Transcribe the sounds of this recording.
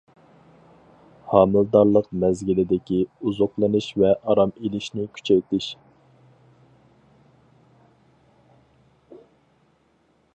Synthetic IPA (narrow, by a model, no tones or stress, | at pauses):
hɑːmɨld̪ɑɾlˠəqmɛzɡʲilɪd̪ɪkʲiuzoqlˠɨnɨʃvɛʔɑɾɑmiliʃnɪkʲʰy̥t͡ʃʰɛjt̪ɪʃ